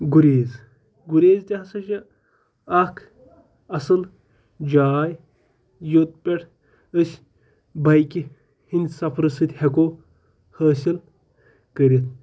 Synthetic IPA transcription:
ɡuɾeːz | ɡuɾʲeːzt̪ʲɐɦɐsɐʃɐ | ɐkʰ | ɐsɨl | d͡ʒaːj | jot̪̚pʲeʈʰ | əsʲ | bɐjkʲi | hinʲd̪ʲsɐpʰɾɨsɨt̪ʲhekoː | həːsil | kəɾʲit̪̚

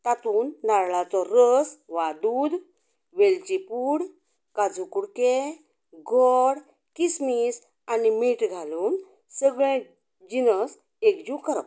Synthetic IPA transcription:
t̪at̪uːnːaɾɭat͡sɔɾəsʋad̪uːd̪ | ʋelt͡ɕipuːɽ | kad͡zukuɽke | ɡʱɔɽ | kismis | animiʈɡʱaluːn | səɡɭẽ | d͡ʑinəs | ekd͡ʑukəɾə̰k

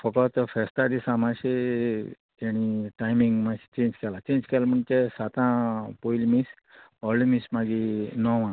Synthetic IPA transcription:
fəkɔt̪fʰɛst̪ad̪isãmaɕe | eɽ̃iʈajmiŋɡmasi̥t͡ʃẽːnd͡ʑkɛlat͡ɕẽnd͡ʑkɛlməɳt͡ʃesat̪ãpoilmis | ɔlimismaɡinɔʋã

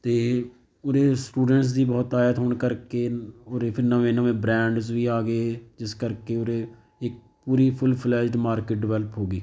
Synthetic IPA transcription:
t̪eː | ʊɾeːsʈuːɖəɳʈs̬d̪iːbɔːt̪aːjət̪ɦoːɳkəɾkeːoɾeːpʰɪɾnãːẽːnãːmẽːbɾɛ̃ːɳɖzʋiːaːɡeːd͡ʒɪskəɾkeːoɾeː | ɪk̚ | puːɾiːpʰʊlpʰlɛːd͡ʒɖmaːɾkeʈ̚ɖɪʋɛːlpɦoːɡiː

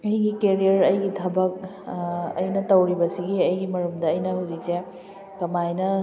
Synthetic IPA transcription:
ɐjɡikeɾijɐɾɐjɡitʰɐbɐk̚ | ɐ̰jnɐtɐwɾibɐsiɡiɐjɡimɐɾumdɐːjnɐhuzik̚se | kɐmajnɐ

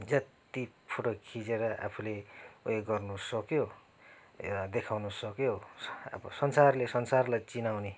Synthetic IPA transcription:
d͡zʌt̪ | ipʰuʈokʰid͡zeɾʌʔa̰pʰuleujeɡʌrnusʌkjo | d̪ekʰawnusʌkjo̰bʌsʌnsarlesʌnsarlajt͡sinawne

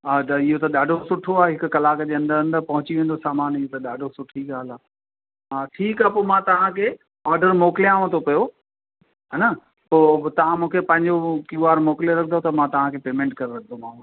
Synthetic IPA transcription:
at̪ɐɪɦot̪ɐɗaːɖʱosʊʈʰoaːɦɪkʊkɐlaːkd͡ʑeːɐ̃nd̪əɾɐ̃nd̪əɾpɐɦʊt͡ɕiʋẽːn̆d̪osaːmaːnɪɦot̪ɐɗaːɖʱosʊʈʰiɡaːlaː | aːʈʰiːkaːpoːmãt̪ɐʋ̤ãkʰeː | aːɾɖəɾmoːklijãːʋə̃t̪ʰopɐjo | ɦɐnɐ | poːt̪ɐʋ̤ãmũːkʰepɐ̃ɦɪ̃ɲd͡ʑokuaːɾmoːkljoɾɐkʰnd̪ot̪ɐmãt̪ɐʋ̤ãkʰeːpeːmẽːɳʈkɐɾɾɐkʰd̪ʱomãː

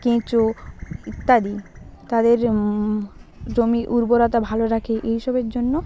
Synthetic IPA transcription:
kĩt͡ɕoit̪ːad̪it̪ad̪eɾ | d͡ʑomiʔuɾboɾat̪abʱaloɾakʰeʔeɦiʃobeɾd͡ʑonːo

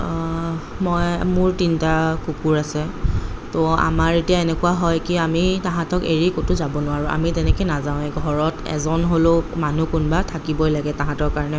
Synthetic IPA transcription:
mɔjmʊɹtintakukuɹasɛtɔa̰maɹetijaenɛkʊwaɦɔjkiamitãɦãtɔkeɹikotʊzabɔnʊwaɹuʔa̰mitɛnɛkojnazaʊ̃ɛɡʱɔɹɔtɛ̰zɔnɦolomanukʊnbatʰakibɔjlaɡɛtãɦãtɔɹkaɹɔnɛ

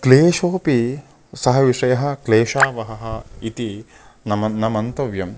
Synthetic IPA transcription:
kleːʂoːpi | sɐɦɐʋiʂɐjɐɦɐ̆kleːʂaːʋɐɦɐɦɐit̪i | nɐmɐnɐmɐnt̪ɐʋjɐm

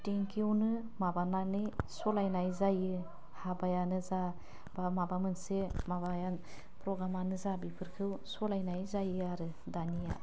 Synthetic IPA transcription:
teŋkʰiwnɯ | mabananɯjsɔlajnajzajɯ | habajanɯza | b̥amabamɯnsemabajan | pɾɔɡɾamanɯzabipʰɯɾkʰɯwsɔlajnajzajɯaɾɯ | danija̰

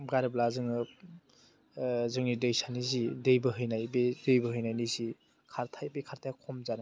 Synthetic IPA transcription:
ɡaɾiblazɯŋɯ | zɯŋnidɯjsʰanizidɯjbɯɦɯjnajbedɯjbɯɦɯjnajnizi | kʰaɾtʰajbekʰaɾtʰajkʰɔmzan

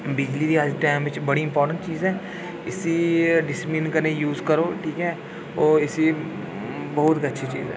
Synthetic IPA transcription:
bɪd͡ʒlid̪iɐd͡ʒʈaːɪmʋɪt͡ʃbɐɽiɪ̃mpɔːɾʈə̃ɳʈt͡ʃiːzɦɛː | ɪsiɖɪsɪplɪnkɐɾnejuːzkəɾoːʈʰiːkɦɛː | ɔːɪsi | bɐɦʊt̪kɐtːʃʰit͡ʃḭːzɛ̰ː

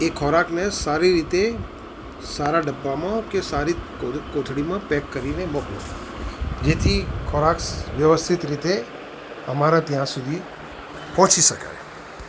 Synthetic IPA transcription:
ekʰɔɾaknesaɾiɾit̪e | saɾaɖəbːamãkesaɾi | okot̪ʰɽimãpɛkːəɾinemoklo̰ | d͡ʒet̪ʰikʰɔɾaksʋjəʋəst̪ʰit̪ɾit̪e | əmaɾat̪jãsud̪ʱi | pɔ̃ːt͡ʃiʃəka̰j

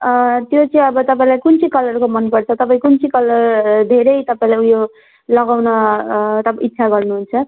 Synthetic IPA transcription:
t̪jot͡sʌĩʌbʌt̪ʌpãĩlajkunt͡sʰikʌlʌrkomʌnpʌrt͡sʰʌt̪ʌpaĩkunt͡sʰikʌlʌrd̪ʱeɾʌjt̪ʌpaĩlajujo | lʌɡawnʌt̪ʌit̪ːsʰaɡʌrnuɦunt͡sʰʌ

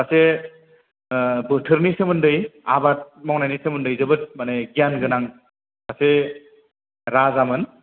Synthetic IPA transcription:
ase | bɯtʰɯɾnisemɯndɯja̰bat̚mɔŋnajnisemɯndɯjzɯbɯt̚maneɡijanɡɯnaŋ | kʰase | ɾazamɯn

